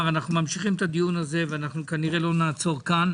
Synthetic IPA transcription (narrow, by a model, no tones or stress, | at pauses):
vanaχnumamʃiχimt̪ad̪ijunaze̞veanaχnukaniʁe̞lo̞naːt͡so̞ʁkan